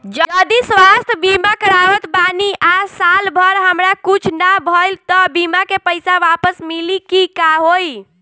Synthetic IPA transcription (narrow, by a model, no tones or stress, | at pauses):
d͡ʒəd͡ʒəd̪isʋast̪ʰbimakəɾaʋət̪baniʔasalbʱəɾɦəmɾakut͡ʃʰnabʱəlt̪ɔbimakepəjsaʋapəsmilikikaɦoj